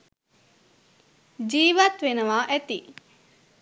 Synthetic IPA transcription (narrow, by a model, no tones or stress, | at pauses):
d͡ʒiːʋat̪ʋenəʋaːʔæt̪i